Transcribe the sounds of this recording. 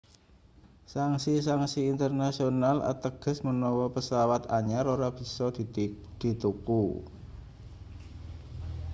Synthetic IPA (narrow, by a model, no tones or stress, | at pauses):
saŋsis̬aŋsiːnt̪ərnasionala̰t̪əɡ̥ə̤smənɔwɔpəsawat̪aɲaɾoɾab̥i̤sɔd̪̥d̪̥i̤t̪uku